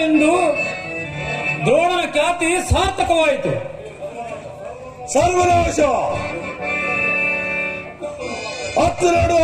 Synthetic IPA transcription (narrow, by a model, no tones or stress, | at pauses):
end̪u | d̪oːɽɐnɐkjaːt̪isãːɾt̪ʰɐkɐʋaːjit̪u | sɐɾʋɐloːʃa | ɐt̪ːɾɐːɽ